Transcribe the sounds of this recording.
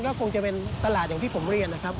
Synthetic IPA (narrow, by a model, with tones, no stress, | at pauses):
nkɔː˥˩kʰo˧ŋt͡ɕa˨˩pe˧nt̪a˧laː˨˩t̪ja˨˩t̪ʰiː˥˩pʰo˩˦mɾi˧˩ənːa˦˥kʰɾa˦˥p̚